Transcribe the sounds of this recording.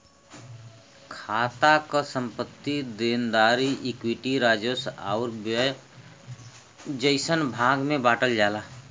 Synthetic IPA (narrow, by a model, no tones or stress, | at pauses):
kʰaːt̪akasə̃mpət̪ːid̪eːnd̪aːɾiʔikwiʈiɾaːd͡ʒosa̰ʊɾ | d͡ʒəɪsənbʱãːɡmẽbaːʈəld͡ʒaːlaː